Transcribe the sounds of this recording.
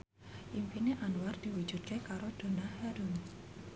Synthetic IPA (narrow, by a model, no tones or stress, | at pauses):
ʔimpineʔanward̪̥i̤wu̥d͡ʒ̥ut̪̚kekaɾod̪̥o̤nahaɾun